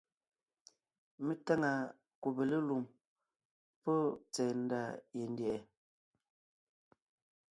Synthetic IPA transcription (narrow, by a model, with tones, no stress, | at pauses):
me˦ta˦ŋa˨ | ku˨be˨le˦lu˨m | pɔ˦t͡sɛː˨n̩˦da˦˨je˨n˦djɛ˨ʔɛ˨